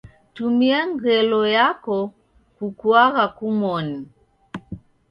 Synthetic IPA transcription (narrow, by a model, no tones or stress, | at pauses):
tumiaŋɡɛlɔjakɔ | kukwaɣakumɔni